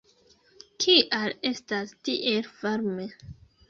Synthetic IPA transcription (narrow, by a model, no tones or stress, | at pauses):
kʰiʔale̞stastiʔelvaɾme